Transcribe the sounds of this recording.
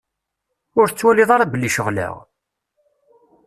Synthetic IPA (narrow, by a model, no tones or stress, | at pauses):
ʊɾθət͡sːwæliðˤɑɾˤɑbəlːiʃəʁlə̰ʁ